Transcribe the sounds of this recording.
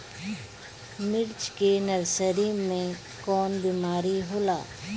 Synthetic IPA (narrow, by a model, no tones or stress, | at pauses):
mɪɾt͡ʃkenɐɾsəɾimːẽ | kɔːnbiːmaːɾiɦoːla̰ː